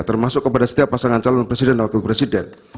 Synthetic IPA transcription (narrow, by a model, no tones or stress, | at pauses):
t̪ərmasʊkːəpadasə̥t̪iapːasaŋant͡ʃalɔnpɾesidɛndawak̪ɪlpɾesidɛn